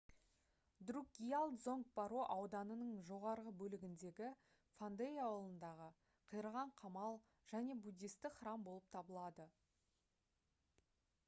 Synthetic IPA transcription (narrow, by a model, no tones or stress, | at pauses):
d̪ruɡʲijalˠd̪zo̞ŋk̚pɑɾoʔɑwd̪ɑnənəɴʒo̞ʁɑɾʁəbɵlɪɡʲɪnd̪e̞ɡʲɪ | fand̪eiawlˠənd̪ɑʁə | qʰəjəɾəʁɑɴqʰɑmɑlˠ | ʒ̥æne̞bud̪ʲist̪ɪχɾɑmbo̞lˠəp̚t̪ʰɑbəlˠɑd̪ə